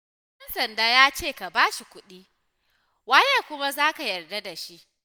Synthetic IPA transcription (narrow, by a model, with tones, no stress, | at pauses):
ʔɛ˦nsɐ˨ndaː˦jaː˦t͡ʃeː˦˨ka˨baː˦ʃi˨kʷʊ˦ɗiː˦ | waː˦jeː˦˨kʷʊ˦ma˦zaː˦ka˨jɐ˨rda˦da˨ʃi˦ʔ